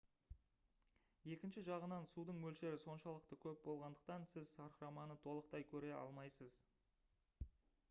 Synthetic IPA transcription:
je̞kʲɪnʃɪʒɑʁənɑnsud̪əɴmɵlʃe̞ɾɪso̞nʃɑlˠəqt̪əkʲʰɵp̚bo̞lˠʁɑnd̪əq̚t̪ɑnsɪzʃɑɾɾɑmɑnət̪ʰo̞lˠəq̚t̪ɑjkʲʰɵɾe̞ʔɑ̰lˠmɑjsəz

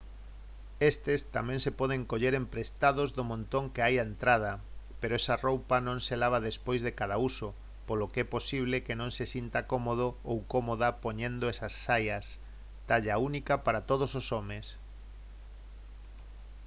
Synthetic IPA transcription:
est̪est̪amɛ̃ŋsepɔð̞eŋkoʎeɾempɾest̪aðozðomõnt̪õŋkeajaent̪ɾað̞apeɾoɛsarowpanõŋselaβ̞aðespojzðekaðauso | polokeɛposiβ̞lekenõŋsesint̪akomoð̞oowkomoðapoɲẽnd̪oɛsasːajas | t̪aʎaunikapaɾat̪oð̞ososomes

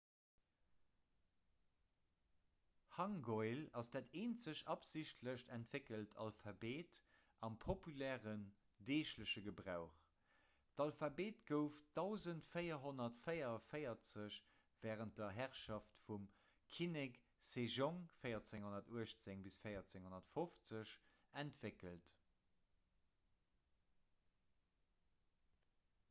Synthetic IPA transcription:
hɑŋɡoɪlɑsd̥aːteːnt͡səɕɑpziɕtʰləʃtæntv̥ekəltʰɑ̰lfɑbeːt | ʔɑmpʰopylɛːʁən | deːʃləɕəɡəbʁaʊχ | tɑlfɑbeːtɡ̥əʊfd̥aʊzəntfəɪɐɦonɐtfɜjɐfəɪɐt͡səɕ | v̥ɛːʁənt̚d̥ɐɦæʁʃɑftfum | kʰinek | seʒoŋfəɪɐt͡sɪŋhonɐtuəɕt͡seŋbisfɜɪɐt͡sɪŋhonɐtfoft͡səɕæntv̥ekəlt

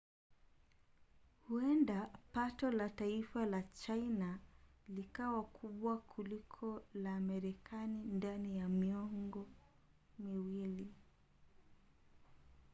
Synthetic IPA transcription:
huɛndapatɔlataifalat͡ʃainalikawakʰuɓwakʰulikʰɔlaːmɛɾɛkʰanindanijamiɔŋɡɔ | miwili

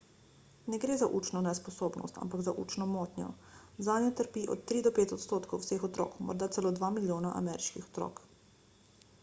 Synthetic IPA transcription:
nɛɡɾeːzaʔuːt͡ʃnɔnɛspɔsoːbnɔ̰st̪a̰mpaɡzaʔṵːt͡ʃnɔmɔːt̪njɔ̰ | zaːnnjɔt̪əɾpiːʔɔ̰t̪ːɾiːd̪ɔpeːt̪ɔt̪st̪oːt̪kʰɔwsexɔt̪ɾo̰ːkmɔ̰ɾd̪at̪sɛlod̪ʋamiljoːnaʔa̰mɛɾiʃkixɔ̥t̪ɾo̰ːk

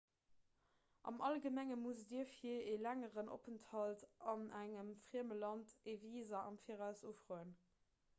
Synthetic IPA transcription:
ʔɑ̰mʔɑlɡəmæŋəmusdiəfielæŋəʁənʔo̰pʰənthɑltɑnæŋəmfʁiəməlɑnteviːzɐʔɑmfiːʁæʊsufʁoːən

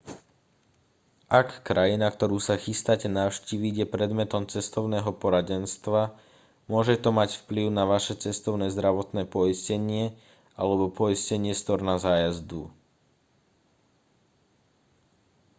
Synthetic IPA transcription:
ʔakːɾajinakt̪ɔɾuːsaxist̪acɛnaʊʃciʋiɟjɛpɾɛd̪mɛt̪ɔmt͡sɛst̪ɔʊnɛːɦɔpɔɾaɟɛnst̪ʋa | mʊɔʒɛt̪ɔmacfpliʊnaʋaʃɛt͡sɛst̪ɔʊnɛːzd̪ɾaʋɔt̪nɛːpɔiscɛɲɪɛ | ʔalɛbɔpɔiscɛɲɪɛst̪ɔɾnazaːjazd̪ṵ

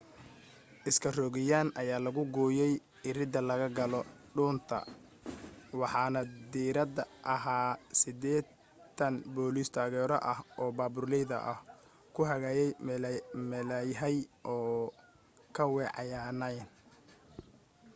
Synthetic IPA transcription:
ʔɪskʰɐrɔɣɪjaːnʔɐjaːlɐɣʊɡɔːjɛj | ɪrɪd̪ɐlɐɣɐɡɐlɔɖuːnt̪ʰɐ̰ | wɑħɑːnɐd̪iːɾɐd̪ɐʔɐɦaːsɪd̪ɛː | t̪ʰːɐnbɔːlist̪ʰaːɣɛːɾɔ̰ʔɐhɔːbaːbʊrlɛjðɐ̰ʔɐh | kʰʊɦɐɣaːjɛj | mɛlɐjɦɐjʔɔː | kʰɐwɛːʕɑjaːnɐjn

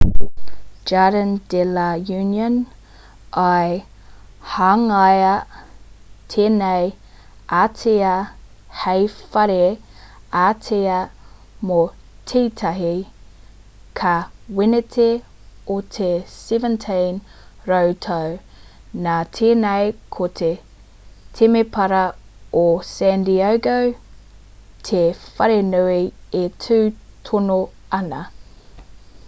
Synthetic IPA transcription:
d͡ʒaɾəndelɐjʉːnjən | ʔɐj | haŋɐjɐ | tʰeːnej | aːtʰeɐ | hejfɐɾe | aːtʰeɐ | mo | tʰiːtʰɐɦi | kʰɐwenetʰe | otʰesivəntʰejnɾowtʰɐw | naːtʰeːnɐjkʰotʰe | tʰemepʰɐɾɐosændiawɡow | tʰefɐɾenuietʰʉːtʰono | ɐnɐ

